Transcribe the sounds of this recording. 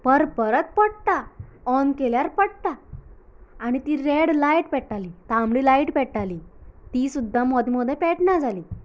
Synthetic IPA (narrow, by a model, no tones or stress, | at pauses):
pəɾpəɾət̪̚pəɽt̪aɔnkeljaɾpəɽt̪a | aɽ̃it̪iːɾeɽlajʈpɛʈaliːt̪ãmɽiːlaiʈpɛʈaliːt̪iːsud̪ʱːamɔd̪ʱimɔd̪ʱjɛpɛʈnad͡zaliː